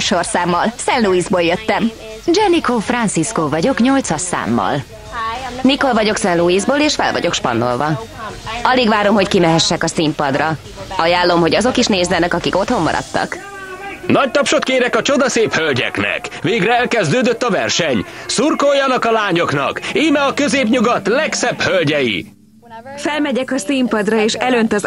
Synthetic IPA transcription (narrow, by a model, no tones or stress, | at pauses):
ʃorsaːmːɒlsɛnluizboːljøt̪ːɛm | d͡ʒɛnikofrɒnt̪siskoːvɒɟo̞kɲo̞lt̪sɒsːa̰ːmːɒ̰l | niko̞lvɒɟo̞ksɛnluiːzboːleːʃfɛ̰lvɒ̰ɟo̞kʃpɒ̰nːo̞̰lvɒ | ɒliɡʋaːɾo̞mɦo̞ckimɛɦɛʃːɛkɒsimpɒd̪rɒ | ɒjaːlːo̞mɦoɟɒzo̞kiʃneːzvɛnɛkɒkiko̞t̪ho̞mːɒ̰ɾʔɒ̰t̪ːɒ̰k | nɒc̚t̪ɒpʃot̪keːɾɛkɒt͡ʃo̞d̪ɒseːphølɟɛ̰knɛ̰kveːɡrɛɛlkɛzd̪øːd̪øt̪ːɒvɛ̰rʃɛɲsurkojːɒnɒkɒlaːɲo̞knɒ̰kiːmɛɒkøzeːpɲuɡɒt̪lɛksɛbhølɟɛjḭ | fɛlmɛɟɛkɒsimpɒd̪rɒeːʃɛlønt̪ɒz